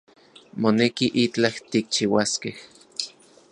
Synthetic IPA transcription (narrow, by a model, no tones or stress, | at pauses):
monekiʔit͡ɬaht̪ik̚t͡ʃiwaskeh